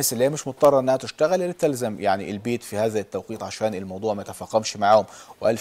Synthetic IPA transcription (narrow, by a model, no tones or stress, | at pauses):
sɪlːiheːæmɪʃmot̪ɑd̪ˤɑrˤːɑɾˤʔenːæhæt̪ɪʃt̪æɣælʔelːit̪ːælzæmjaʕniʔelbeːt̪fihæːðæt̪ːæwqiːt̪ʕaʃæːnɪlmɑwd̪ˤuːʕmæjt̪æfæːqːɑmʃmaʕaːhʊmwʔæl